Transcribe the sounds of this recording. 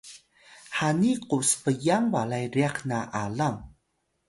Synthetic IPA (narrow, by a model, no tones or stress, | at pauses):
haniquspəjaŋwalajɾiaχnaʔalam